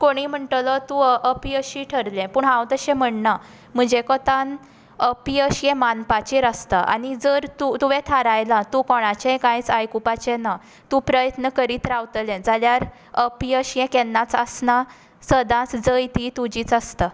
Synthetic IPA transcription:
koɽ̃im̤əɳʈlɔt̪ũʔəpiəɕiʈʰəɾlɛ̃puːɳɦãwt̪əɕɛ̃m̤əɳna | m̤əɳd͡ʑekɔt̪an | əpiəɕijɛ̃manpat͡ɕiɾəst̪aʔa̰nid͡zəɾt̪ut̪uʋɛ̃t̪ʰaɾajlat̪ũkɔɽ̃at͡ɕɛ̃kãjt͡sajkupat͡ɕɛ̃na | t̪ũpɾəjət̪nəkəɾiːt̪ɾawt̪əlɛ̃d͡zaljaɾ | əpiəɕɛ̃kɛnːãt͡səsna | səd̪ãt͡sd͡zəjt̪it̪ud͡ʑiːt͡səst̪a

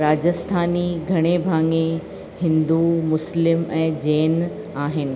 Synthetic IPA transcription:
ɾaːd͡ʑəst̪ʰaːniɡʱɐɽ̃ebʱãːŋe | hɪ̃nd̪umʊslɪmɛ̃ːd͡ʑeːn | aːɦɪnɪ̆

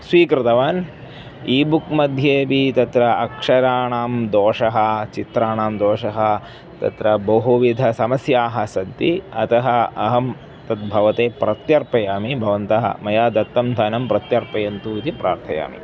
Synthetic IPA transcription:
sʋiːkɾɪt̪ɐʋaːn | iːbukmɐd̪ʱjeːbit̪ɐt̪ɾɐɐkʂɐɾaːɳaːmd̪oːʂɐɦɐt͡ʃit̪ɾaːɳaːmd̪oːʂɐɦɐ | t̪ɐ̰t̪ɾɐbɐɦuʋid̪ʱɐsɐmɐsjaːɦɐsɐd̪iɐt̪ɐɦɐɐɦɐm | t̪ɐt̪̚bʱɐʋɐt̪eːpɾɐt̪jɐɾpɐjaːmibʱɐʋɐnt̪ɐɦɐ̰mɐjaːd̪ɐt̪ːɐmd̪ʱaːnɐmpɾɐt̪jɐɾpɐjɐnt̪uːit̪ipɾʔa̰ːɾt̪ʰɐja̰ːmḭ

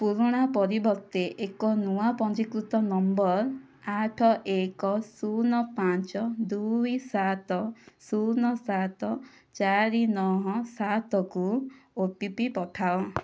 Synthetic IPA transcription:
puɾuɽ̃apɔɾibɔɾt̪eʔekɔnuapɔnd͡ʒikɾut̪ɔnɔmbɔɾ | aʈʰɔʔekɔsunɔpant͡ʃɔd̪ujsat̪ɔsunɔsat̪ɔ | t͡ʃaɾinɔɦɔsat̪ɔkuoʈipipɔʈʰao

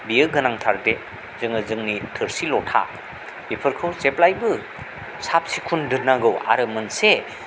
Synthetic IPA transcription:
bijɯɡɯnaŋtʰaɾde | zɯŋɯzɯŋnitʰɯɾsilɔtʰa̰ | ipʰɯɾkʰɯwseplajbɯ | sap̚sikʰundɯnaɡɯwa̰ɾɯmɯnse

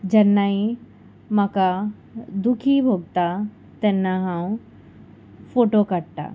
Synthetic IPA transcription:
d͡ʑɐnːaĩ | mãka | d̪ukʰibʱoɡ̚t̪a | t̪enːaɦãːũ | fʰoːʈokɐʈ̚t̪a̰

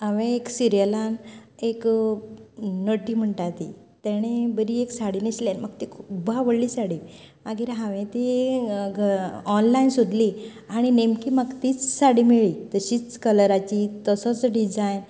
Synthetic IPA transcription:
aʋẽːksiɾijəlanek | nəʈːiːm̤əɳʈat̪it̪ɛɽ̃ebəɾieksaɽiniɕlanmaɡ̚t̪ikʰubaʋəɽliːsaɽi | maɡiɾɦãʋẽt̪iɡʱəɔnlainsud̪li | aɽ̃inemkimaɡt̪iːt͡ssaɽimiɭiːt̪əɕiːt͡skələɾat͡ɕit̪əsət͡sɖid͡zajn

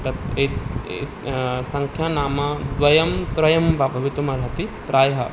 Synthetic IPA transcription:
t̪ɐt̪e | sɐŋkʰjaːnaːmɐd̪ʋɐjɐmt̪ɾɐjɐmbaːbʱɐʋit̪umɐɾɦɐt̪ip̪ɾaːjɦɐ

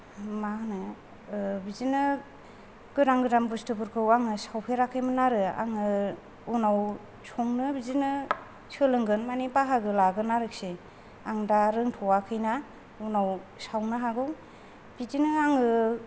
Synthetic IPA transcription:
manɯ | bizinɯ | ɡ̥ɯɾaŋɡɯdambustʰɯbɯɾkʰɯwaŋɯsawpʰeɾakʰɯjmɯnaɾɯa̰ŋɯ | unaw | sɔŋnɯbizinɯ | sɯlɯŋɡɯnmanipaɦaɡɯlaɡɯnaɾɯk̚se | aŋdaɾɯŋtʰɔwakʰɯjna | unawsawnɯɦaɡɯw | b̥izinɯaŋɯ

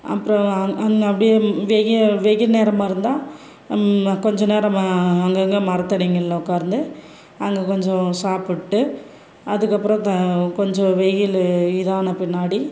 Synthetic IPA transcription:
ɐ̰pːɯɾɔ̃ɐɐɡɐpːɽɪjʋeɣʋeɣɪlneːɾɐmaːɪɾɯnd̪ãː | kɔɲd͡ʒɔ̃neːɾɐ̃mɐŋɡɐŋɡɐmɐɾɐt̪ːɐniŋɡɐɭlːɐʊkːaːɾɯnd̪ɯ | ɐŋɡɐkɔɲd͡ʒɔ̃saːpɪʈːɯ | ɐðɯkːɐpːɯɾɔ̃t̪ɐkɔɲd͡ʒɔ̃ʋɛɣɪlɪðaːnɐpɪnːaːɽi

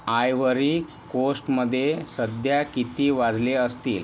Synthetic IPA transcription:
ajʋəɾiː | kosʈməd̪ʱːjesəd̪ʱjakit̪iːʋad͡zleəst̪iːl

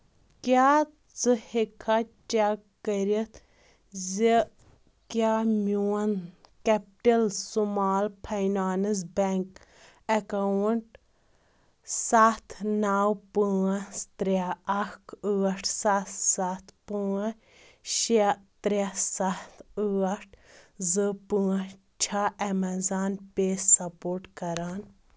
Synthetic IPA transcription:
kʲa | t͡sɨhekʰat͡ʃakːəɾit̪ʰ | zi | kjamʲuwɐnkɛp̚ʈɐlsumaːlpʰɐjnaːnɨz̬bɛŋk | ɐkawəɳʈ̚ | sat̪ʰnaːwpɨɐst̪ɾaɐkɨːɐʈʰsat̪sat̪ʰpɨɐ | ʃɐt̪ɾɐsat̪ʰɨɐʈʰzɨpɨɐ | t͡ʃʰɐɐmɐzaːnpeːssɐpoːɾʈkɐɾaːn

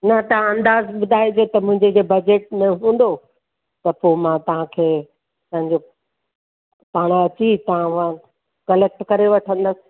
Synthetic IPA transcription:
nɐt̪ɐɦãɐ̃nd̪aːzɓʊd̪ʱaːed͡ʑot̪ɐmʊ̃ɦɪ̃ɲd͡ʑed͡ʑeːbɐd͡ʑeːʈ̚mẽɦũːnd̪o | t̪ɐpoːmãt̪ɐɦãkʰeː | t̪ɐ̃ɦɪ̃ɲd͡ʑo | paːɽ̃aɐt͡ɕit̪ɐɦãʊã | kɐlɛk̚ʈkɐɾeʋɐʈʰə̃nd̪əsɪ̥̆

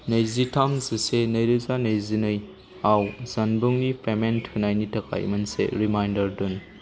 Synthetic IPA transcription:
nɐjzitʰamzisenɐjɾɯzanɐjzinɯj | awzɐnbuŋnipʰementʰɯnajnitɐkʰa̰jmɐnsḛɾimajndɐɾdun

